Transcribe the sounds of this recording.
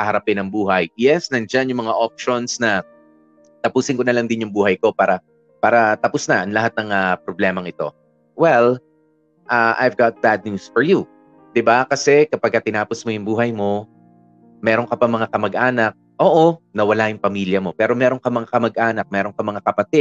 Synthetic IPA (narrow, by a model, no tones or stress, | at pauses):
kɐhɐɾɐpɪnɐŋbuːɦɐjjɛsnɐnd͡ʒanjʊŋmɐŋaʔop̚ʃo̞nsnɐ | t̪ɐpuːsɪnŋkonɐlɐŋd̪ɪnjʊŋbuːhɐjko̞paːɾɐ | paːɾɐt̪ɐpʊsnɐʔɐnlɐɦat̪̚nɐŋapɾoblɛːmɐŋɪt̪o̞̰ | wɛl | ʔaʔa̰jvɡat̪̚b̥ad̪̚njusfɔɹju | d̪̥ɪbakɐsɛkɐpɐɡ̚kːɐt̪ɪnaːposmojʊŋbuːɦɐjmo̞ | mɛːɾo̞ŋkɐpɐŋmɐŋakɐmɐɡ̚ʔaːnɐk̚ʔoːʔonɐwɐlajʊŋpɐmiːljɐmo̞pɛːɾo̞mɛːɾoŋkɐmɐŋakɐmɐɡ̚ʔaːnɐk̚mɛːɾo̞ŋkɐmɐŋakɐpɐt̪ɪ